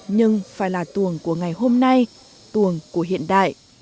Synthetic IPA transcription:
ɲɨ˧ŋfaː˧˩jlaː˨˩t̪u˨˩əŋku˧˩əŋa˨˩jɦo˧mna˧j | t̪ɨ˨˩əŋku˧˩əɦḭ˧˨ənɗa̰ː˧˨j

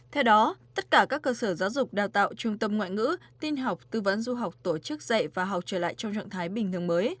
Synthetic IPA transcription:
t̪ʰɛ˧wɗɔ˨˦t̪ə˦˥t̚kaː˧˩kaː˦˥kːəː˧səː˧˩zaː˨˦wzʊ˨˩k͡p̚ɗaː˨˩wt̪a̰ː˧˨wt͡ɕʊ˧ŋ͡mt̪ə˧mŋwa̰ː˧˨jŋɨ̰˧˥t̪i˧nɦa˨˩wk͡p̚t̪ɨ˧və̰˧˥nzu˧ɦa˨˩wk͡p̚t̪o˧˩t͡ɕɨ˦˥k̚zə̰˧˨jvaː˨˩ɦa˨˩wk͡p̚t͡ɕəː˧˩la̰ː˧˨jt͡ɕɔ˧wŋ͡mt͡ɕɔ̰˧˨nt̪ʰaː˨˦jɓï˨˩ŋ̟t̪ʰɨ˨˩əŋməː˨˦j

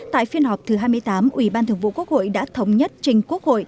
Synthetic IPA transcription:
t̪a̰ː˧˨jfi˧ənɦa˨˩k͡p̚t̪ʰɨ˨˩ɦaː˧jmɨ˧əjt̪aː˨˦mʔwi˧˩ɓaː˧nt̪ɨ˨˩əŋvṵ˧˨ku˦˥ək̚ho̰˧˨jɗa̰ː˧˥t̪ʰə˨˦wŋ͡mɲə˦˥t̚t͡ɕï˧ŋ̟ku˦˥ək̚ho̰˧˨j

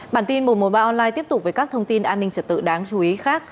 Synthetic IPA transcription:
ɓaː˧˩nt̪i˧nmo˨˩mo˨˩ɓaː˧ʔɔ˧nlaː˧jt̪i˦˥əp̚tʊ˨˩k͡p̚və˨˩kaː˦˥k̚t̪ʰə˧wŋ͡mt̪i˧nʔaː˧nːï˧ŋ̟t͡ɕə˨˩t̚t̪ɨ̰˧˨ɗaː˨˦ŋt͡ɕu˨˧˦ʔi˨˦xaː˦˥k̚

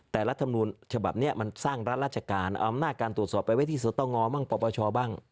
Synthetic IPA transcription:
t̪ɛː˨˩la˦˥t̪ʰːa˧mnu˧nt͡ɕʰa˧ba̰˨˩p̚ni˦˥˩ɐma˧nsaː˥˩ŋɾa˦˥t̪̚ɾaː˥˩t̪t͡ɕʰa˧kaː˧nʔa˧mnaː˥˩kaː˧nt̪u˨˩t̪̚sɔː˨˩pːa˧jwa˦˥jt̪ʰiː˥˩s̬u˨˦t̪ːɔ˥˩ŋːɔː˧˥maː˥˩ŋpɔː˧˩pɔː˧t͡ɕʰɔː˧baː˥˩ŋ

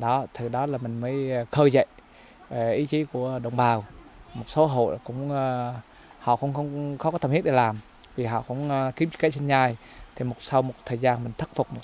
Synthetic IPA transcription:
ɗɔ˨˦t̪ʰɨ˨˩ɗɔ˨˦laː˨˩mï˨˩ŋ̟məː˨˦jkʰəː˧jzə̰˧˨j | ʔi˨˦t͡ɕi˨˦ku˧˩əɗə̰˧˨wŋ͡mɓaː˨˩w | mo˨˩t̚so˨˦ɦo̰˧˨jkʊ̰˧˥ŋ͡mː | hɔ̰˧˨kʊ̰˧˥ŋ͡mxə˧wŋ͡mxɔ˨˦kɔ˨˦t̪ʰə˨˩mhi˦˥ɗe˨˩laː˨˩m | vi˨˩ɦɔ̰˧˨kʊ̰˧˥wŋ͡mki˨˦m˧˥kə˨˦˥t͡ɕe˧nɲaː˧˩j | t̪ʰi˨˩mo˨˩t̚sa˧wmo˨˩t̚t̪ʰəː˨˩jzaː˧nmï˨˩ŋ̟t̪ʰə˦˥t̚fʊ˨˩k͡p̚mo˨˩

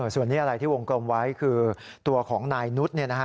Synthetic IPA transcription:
ʔɤː˧˩su˨˩ənːiː˦˥ʔa˧ɾa˧jt̪iː˥˩wo˧ŋklo˧mwa˦˥jkʰɯː˧ | t̪u˧ɐkʰɔː˩˦ŋnaː˧jnu˦˥t̪̚ni˥˩ɐna˦˥kʰ

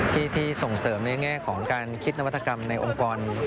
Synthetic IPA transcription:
t̪ʰiː˥˩t̪ʰiː˥˩so˨˩ŋsɤː˩˦mna˧jŋɛː˥˩kʰɔː˩˦ŋkaː˧nkʰi˦˥t̪̚na˦wa˥t̪ʰːa˧ka˧mna˧jʔo̰˧mkɔː˧n

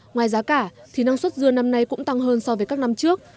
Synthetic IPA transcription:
ŋwaː˨˩jzaː˨˦kaː˧˩t̪ʰi˨˩na˧ŋswə˦˥t̚zɨ˧əna˧mna˧jkʊ̰˧˥ŋ͡mt̪a˧ŋɦəː˧nsɔ˧wvəː˨˦jkaː˦˥k̚na˧mt͡ɕɨ˦˥ək̚

